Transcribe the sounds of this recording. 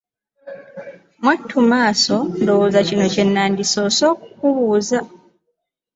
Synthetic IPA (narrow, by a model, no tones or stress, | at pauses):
mwatʰːumaːso̞ndowozacino̞ce̞nːaːndiso̞ːso̞ːku̥kuβuːza